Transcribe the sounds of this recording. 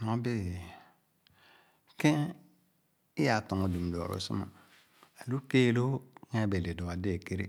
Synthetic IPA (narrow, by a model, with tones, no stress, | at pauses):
no˨˦be˦˨ | kẽ˦ | i˦ja˨to˨ŋo˨du˨m˨do˨ɾo̰˨˦sḭ˦ma̰˨ | a˨lu˦ke˦˨lo˦ŋ˦a˦˨be˨le˨do˨a˨de˦˨ke˦ɾḛ˦